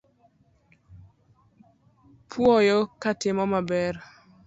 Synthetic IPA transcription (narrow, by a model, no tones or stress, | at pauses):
pʰwɔjɔkatɪmɔmabɛr